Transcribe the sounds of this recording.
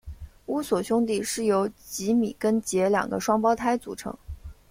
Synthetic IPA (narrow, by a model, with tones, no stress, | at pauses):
u˥swɔ˨˩ɕjʊ˥ŋt̪̬i˥˩ʂɻ̩˥˩jo˧˥ʊt͡ɕi˧˥mḭ˨˩kə˥nt͡ɕjɛ˧˥ljɑ̰˨˩ŋɡə̰˦ʂwɑ˥ŋpɑ˥ʊt̪ʰa˥ɪt͡su˨˩ʈ͡ʂʰɤ̰˧˥ŋ